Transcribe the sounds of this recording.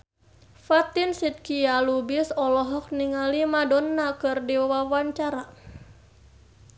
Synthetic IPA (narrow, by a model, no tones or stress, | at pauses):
fat̪ɪnsit̪̚kialubisɔlɔɦɔk̚niŋalimadɔnːakɨrdiawawaɲt͡ʃaɾa